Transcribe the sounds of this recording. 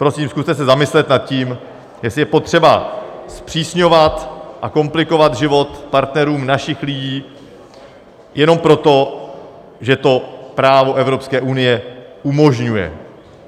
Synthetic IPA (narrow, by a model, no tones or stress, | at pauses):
pɾo̞siːmskust̪ɛsɛzamɪslɛt̪nat̪̚ciːm | jɛsɪjɛpo̞t̪r̝̥ɛba̰spr̝̥iːsɲo̞vat̪ʔako̞mplɪko̞vad̪ʒɪvo̞t̪paɾt̪nɛɾuːmnaʃɪxlɪɟiː | jʔɛno̞mpɾo̞t̪o̞ | ʒɛt̪o̞pɾaːvo̞ʔɛvɾo̞pskɛːʔunɪjɛʔumo̞ʒɲujɛ̰